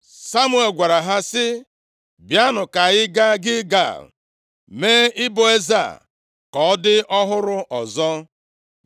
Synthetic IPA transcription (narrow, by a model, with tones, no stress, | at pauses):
sa˦mwe˨lɡʷa˨ɾa˨ɦa˦sɪ˦ | bja˦nʊ˨ka˨ɪ˦ɡa˦ɡɪ˦ɡa̰˨l | meː˦ɪ˦bo˨e˦za̰˨ | kɔ˨ɔ˦dɪ˦ʔɔ˦ɦʊ˦ɾʊ˦ʔɔ˨zɔ˦